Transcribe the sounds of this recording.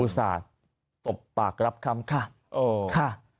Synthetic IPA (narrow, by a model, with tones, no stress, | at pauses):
uː˧˩sa̰ː˩˦t̪ | t̪o˨˩pːaː˨˩k̚ɾa˦˥p̚kʰa˧˥mkʰa˥˩ | ʔoː˧kʰa˥˩